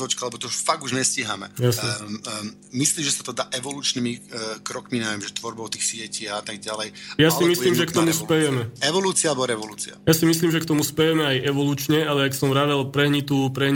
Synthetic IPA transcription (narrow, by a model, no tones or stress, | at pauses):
ɔt͡ʃkalɛbɔt̪ɔfaɡuʒɲɛsciɦamɛ̰jasɲɛ | misliːmʒɛsat̪ɔd̪aːʔɛʋɔluːt͡ʃnimikɾɔkmiɲɛʋjɛmʒɛt̪ʋɔɾbɔʊt̪iːxsɪɛciːat̪aɡ̚ɟalɛjjasimisiːmʒɛkt̪ɔmuspɛjɛmɛɛʋɔluːt͡sialɛbɔɾɛʋɔluːt͡sia̰jasimisliːmʒɛkt̪ɔmuspɛjɛmɛajɛʋɔluːt͡ʃɲɛalɛaksɔmɾaʋɛlpɾɛɦɲit̪upɾɛɦɲ